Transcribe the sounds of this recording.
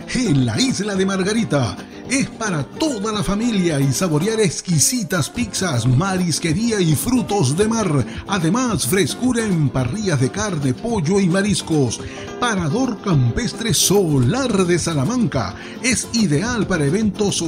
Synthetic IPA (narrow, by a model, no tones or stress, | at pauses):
enla̰izlaðe̞maɾɣaɾit̪a | e̞spaɾat̪o̞ðalafamiljaisaβo̞ɾjaɾeskisit̪aspiksasmaɾiske̞ɾiaifɾut̪o̞zðe̞maɾaðe̞masfɾe̞skuɾaempariʝazðe̞kaɾne̞po̞ʝo̞imaɾisko̞s | paɾaðo̞ɾkampe̞st̪ɾesolaɾðe̞salamãŋka̰ | e̞siðe̞alpaɾaeβe̞nt̪o̞s